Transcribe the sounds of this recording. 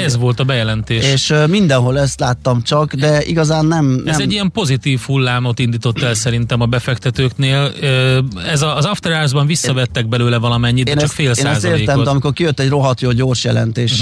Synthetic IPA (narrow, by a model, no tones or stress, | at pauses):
ɛzvo̞lt̪ɒbɛjɛlɛnt̪eːʃeːʃmind̪ɛnɦo̞lɛst̪laːt̪ːɒmt͡ʃɒkd̪ɛʔḭɡɒzaːnːɛmɛzɛɟɟːijɛmpo̞zit̪iːfhulːaːmo̞t̪ind̪iːt̪o̞t̪ːɛlsɛɾint̪ɛmɒbɛfɛkt̪ɛt̪øːkneːl | ɛzɒːzɒft̪ɛɾaːzbɒɱvisːɒvɛt̪ːɛɡ̚bɛløːlɛvɒlɒmɛɲːit̪ːɛnt͡ʃɒkfeːlsːnaɛsːzt̪eːreːt̪ɛmd̪ɛɒmiko̞rkijøt̪ːɛɟro̞ɦɒt̪joːɟo̞ːrʃjɛlɛ̰nt̪eːʃ